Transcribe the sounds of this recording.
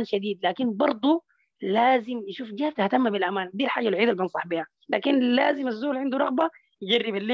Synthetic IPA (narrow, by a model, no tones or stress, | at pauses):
nʃad̪iːd̪laːkinbɑɾˤd̪ˤu | laːzimjɪʃuːfɡaːhab̚t̪aht̪amːabilʔamaːnd̪iːlħaːd͡ʒalʕiːd̪albɪnsˤɑħbiːha | laːkinlaːzimazːuːlʕɪnd̪uɾˤɑɣba | jd͡ʒarːibalːeː